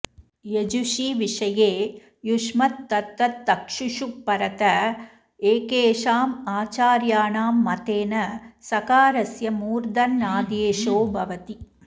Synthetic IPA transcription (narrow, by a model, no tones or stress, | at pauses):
jed͡ʒuʂiʋɪʂɐjeː | juʂmɐt̪ːɐt̪ːɐt̪ːɐkʂuʂuːɐɾɐt̪ɐ | eːkeːʂaːmaːt͡ʃaːɾjaːnaːmːɐt̪eːnɐsɐkaːɾɐsjɐmuːɾd̪ɐnnaːd̪eːʂoːbʱɐʋɐt̪i